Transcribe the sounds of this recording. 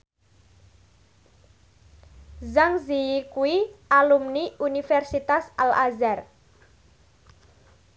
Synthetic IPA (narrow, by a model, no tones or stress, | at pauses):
zaŋzijikuiʔalumniʔunifɛrsit̪asalʔazar